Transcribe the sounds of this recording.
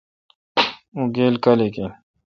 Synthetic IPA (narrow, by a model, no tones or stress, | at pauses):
uɡeːlkɐleke